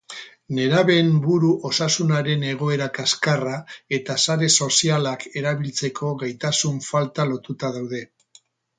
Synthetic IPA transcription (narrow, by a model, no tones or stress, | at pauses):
ne̞ɾaβe̞mbuɾuʔo̞sasunaɾe̞ne̞ɣ̞o̞e̞ɾakaskarae̞t̪asaɾe̞so̞sialake̞ɾaβ̞ilt͡se̞kʰo̞ɣajt̪asuɱfalt̪alo̞t̪ut̪aðawðe̞